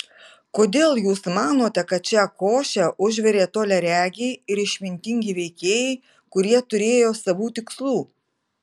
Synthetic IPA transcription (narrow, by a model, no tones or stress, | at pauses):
koːd̪ʲeːlˠjuːsmɑːnoːt̪ʲɛkɐt̪̚t͡ʃʲɛkoːʃʲɛʔʊʒʲʋʲɛɾʲeːt̪oːlʲɛɾʲæːɡʲeɪɾɪʃʲmʲɪnʲt̪ʲɪŋʲɡʲiʋʲɛɪkʲeːjɛɪ | kʊɾʲiɛt̪ʊɾʲeːjoːsɐʋuːt̪ʲɪkslˠuː